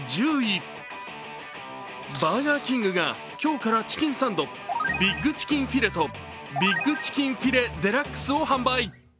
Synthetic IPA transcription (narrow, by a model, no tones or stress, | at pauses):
d͡ʑɨːi | baːɡ̪akʲĩŋɡɯ̟ɡa | kʲo̞ːkaɾat͡ɕi̥kʲĩɰ̃sãnd̪o̞ | bʲiɡːɯ̟t͡ɕi̥kʲĩɰ̃ɸʲiɾe̞t̪o̞ | bʲiɡːɯ̟t͡ɕi̥kʲĩɰ̃ɸʲiɾe̞d̪e̞ɾakːɯ̥sɨo̞hãmbai